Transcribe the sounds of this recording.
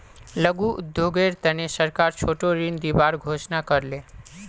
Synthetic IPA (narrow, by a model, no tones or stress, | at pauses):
ləɡuʔʊ̰d̪joɡeɾt̪ənesəɾkaɾt͡ʃʰoʈoɾind̪ibaɾɡʱoʃnakəɾle